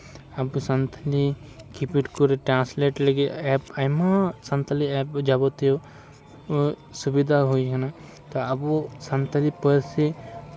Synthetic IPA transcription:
ɐbsɐnt̪ʰəlikipiʈkuɾeʈɾãːsleːʈleɡiɛːpɐmasɐ̃nt̪ʰəliɛːpd͡ʒɐbot̪eo | subid̪ʱaɦoikɐna | t̪oɐbosɐnt̪ʰəlipəɾse

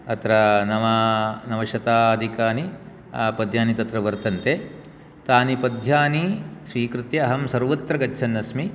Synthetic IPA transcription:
ɐt̪ɾɐnɐʋɐnɐʋɐʃɐt̪aːɐd̪ʱikaːni | pɐd̪ʱjaːnit̪ɐt̪ɾɐʋɐɾt̪ɐnt̪e | t̪aːnipɐd̪ʱjaːnisʋiːkɾut̪jɐɐɦɐmsɐɾʋɐt̪ɾɐɡɐtːt͡ʃʰɐnːɐsmi

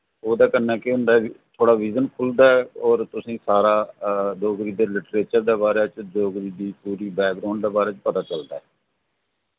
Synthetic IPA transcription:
oːd̪aːkənːɛːkɪɦʊnd̪aːt̪ʰoːɽaːʋiːzənkʰʊld̪aːɛɔːɾt̪ʊsĩːsaːɾaːd͡ʒoːɡɾiːd̪eːlɪʈɾeːt͡ʃəɾd̪eːbaːɾeːt͡ʃd͡ʒoːɡɾiːd̪iːpuːɾiːbɛːk̚ɡɾaːʊɳɖd̪eːbaːɾeːt͡ʃpət̪aːt͡ʃəld̪a̰ːɦɛː

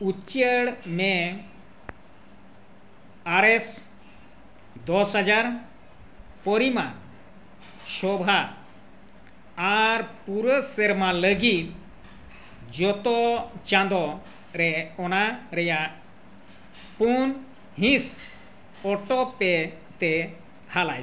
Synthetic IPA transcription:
ut͡ʃəɽmɛ | aɾɛs | d̪ɔsɦad͡ʒaɾ | pɔɾima | ʃɔbʱa | ɾpuɾəsɛɾmaləɡit̪̚ | d͡ʒɔt̪ɔt͡ʃãnd̪ɔ | ɾɛɔnaɾɛjaʔ | pun | hĩs | ɔʈɔpɛ | t̪ɛ | halaj

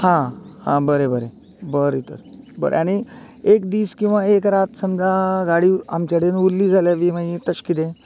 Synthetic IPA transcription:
hãhã̰bəɾebəɾe | bəɾit̪ə̰ɾbə̰ɾḛaɽ̃i | ekd̪iːskĩw̃ʋaekɾat̪səmd͡zaɡaɽia̰mt͡ɕaɽenulːiːd͡zʱaljaʋimait̪əɕkit̪ẽ

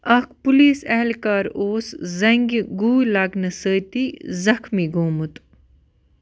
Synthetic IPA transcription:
ɐkʰpuliːsɐɦlkaːɾoːszɐŋɡɡuːlaːɡnɐsəːt̪izɐxmiɡoːmut̪

